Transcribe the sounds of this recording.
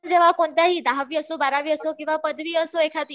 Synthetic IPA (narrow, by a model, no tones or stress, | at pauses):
d͡ʑeʋakoɳt̪jaɦiːd̪aɦaʋiːəsobaɾaʋiːəsokĩw̃ʋapəd̪ʱʋiːəsoekʰat̪i